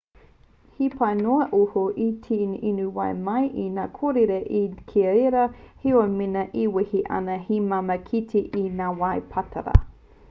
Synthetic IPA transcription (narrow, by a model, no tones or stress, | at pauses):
hipʰɐjnoɐʔohoʔitʰininuwɐjmɐjʔinaːkʰoɾeɾeʔikʰeɐeɾɐhiominɐʔiwihiʔɐ̰nɐhimamɐkʰitʰiʔinaːwɐjpʰɐtʰɐ̰ɾɐ̰